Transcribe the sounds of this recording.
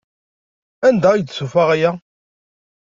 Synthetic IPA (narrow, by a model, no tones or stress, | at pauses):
ænd̪æijt͡sːsufaʁæjæ